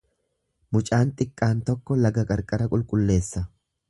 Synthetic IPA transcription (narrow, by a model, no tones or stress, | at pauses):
mʊt͡ʃʼaːnt̪ʼɪkʼːaːnt̪ɔkːɔlɐɡɐkʼɐɾkʼɐɾɐkʼʊlkʼʊlːe̞ːsːɐ